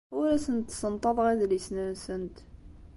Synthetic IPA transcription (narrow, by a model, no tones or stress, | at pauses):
wælæsənt̪sənt̪ˤɑðˤʁiðlisnænsənt̪